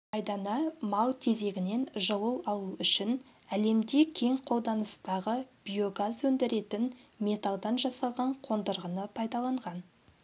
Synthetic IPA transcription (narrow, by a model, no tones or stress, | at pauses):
ɑjd̪ɑnɑmɑlˠt̪ʰe̞ze̞ɡʲɪne̞nʒəlˠəlˠɑlˠuʏʃɪn | æle̞md̪ekʲʰe̞ŋqʰo̞lˠd̪ɑnəst̪ɑʁəb̥ijo̞ɡazwɵnd̪ɪɾe̞t̪ɪnmʲe̞t̪ɑlˠd̪ɑnʒɑsɑlˠʁɑɴqʰo̞nd̪əɾʁənəpʰɑjd̪ɑlˠɑɴʁɑn